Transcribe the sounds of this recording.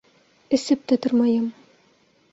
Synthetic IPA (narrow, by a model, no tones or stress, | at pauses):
ɘ̆sɘp̚t̪æt̪ŏɾmɑjɤm